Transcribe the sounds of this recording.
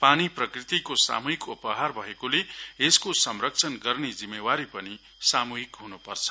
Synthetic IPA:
paniprʌkrit̪ikosa̰muɦikupʌɦarbʱʌekoleeskosʌmrʌk̚t͡sʰʌnɡʌrned͡zimːewaɾipʌni | samuɦikɦunupʌrt͡sʰʌ̥

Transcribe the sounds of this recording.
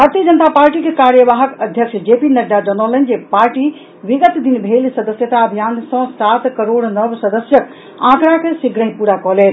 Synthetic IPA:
bʱaɾt̪ijəd͡ʒənət̪apaɾʈikekaɾjəʋaɦəkəd̪ʱjəkt͡ʃʰd͡ʒepinəɾd̪ad͡ʒənələnd͡ʒepaɾʈi | ʋiɡət̪d̪inbʱelsəd̪əsjət̪aəbʱijansə̃sat̪kəɾoɽnəbsəd̪əsjək | ã̰kɾakesiɡʱɽəĩpuɾakɔɦlɛt̪

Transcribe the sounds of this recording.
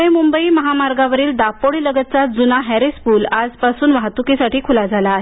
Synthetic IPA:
emumbəiːməɦamaɾɡaʋəɾiːld̪apoɭiləɡət̪̚t͡sad͡zunaɦɛɾespuːlad͡zpasuːnʋaɦt̪ukesaʈiːkʰulad͡zʱalaːɦe

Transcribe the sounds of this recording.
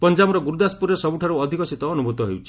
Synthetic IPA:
pɔnd͡ʒabɔɾɔɡuɾud̪aspuɾesɔbuʈʰaɾuɔd̪ʱikɔsit̪ɔːnubʱut̪ɔɦḛwt͡ʃʰi̥

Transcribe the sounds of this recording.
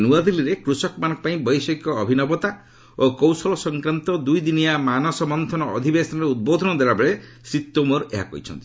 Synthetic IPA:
nuad̪iliɾekɾusɔkɔmanɔkɔpaĩbɔjsekːɔːbʱinɔbɔt̪a | okɔwsɔlɔsɔŋkɾant̪ɔd̪ujd̪inijamanɔsɔmɔnt̪ʰɔnɔɔ̰d̪ʱibesɔnɔɾeud̪̚bod̪ʱɔnɔd̪waɾabeɭe | sit̪ːomɔɾeɦa̰kɔ̰ɦit͡ʃʰɔ̰nt̪i̥

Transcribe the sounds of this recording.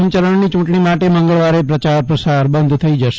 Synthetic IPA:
mt͡ʃəɾəɳnit͡ʃũʈɳimaʈemə̃ŋɡəɭʋaɾepɾət͡ʃaɾpɾəsaɾbənd̪ʱt̪ʰəid͡ʒəʃ

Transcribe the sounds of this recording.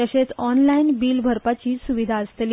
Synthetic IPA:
əɕet͡sɔnlainbiːlbʱəɾpat͡ɕiːsuʋid̪ʱaəst̪li

